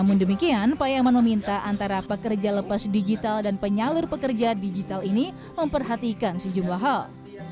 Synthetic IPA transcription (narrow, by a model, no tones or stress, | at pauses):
amʊndəmikianpajamanməmint̪aʔant̪aɾapəkərd͡ʒaləpasdid͡ʒit̪aldanpəɲalʊrpəkərd͡ʒadid͡ʒit̪alini | məmpərɦat̪ikansəd͡ʒumlaɦal